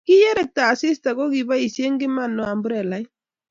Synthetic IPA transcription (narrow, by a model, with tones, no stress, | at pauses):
ki˦je˦ɾɛ˦˨k̚t̪aː˨si˦st̪a˨ɡo˦ɣi˨ba˦i˨sje˦ŋɡɪ˦mano˨a˨mbuɾe˨la˦j